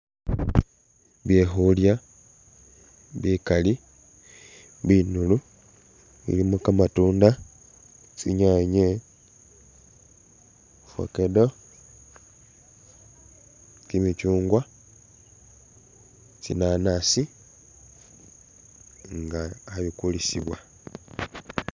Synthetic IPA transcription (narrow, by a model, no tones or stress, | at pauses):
βjexulja | βikali | βinulu | ḭlimukamatuːnda | t͡siɲaɲe | fo̰kedo | t͡simit͡ʃuːŋɡwa | t͡sḭnanasi | ŋɡaːβikulisiβwa